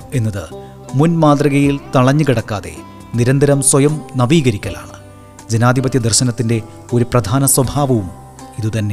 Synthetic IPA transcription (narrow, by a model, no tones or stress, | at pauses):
e̞nːɐðɨ | munmaːd̪rɐɣɐjilt̪ɐɭɐɲːukiɽɐkːaːðe̞̰ | niɾɐnd̪ɐɾɐmswɐjɐmnɐʋiːɣɐɾikʲːɐla̰ːɳɨ | d͡ʑe̞naːd̪ʱibɐt̪jɐd̪ɐrɕɐnɐt̪ːinde̞ | o̞ɾuprɐd̪ʱaːnɐswɐbʱaːʋɐʋum | iðut̪ɐnːe̞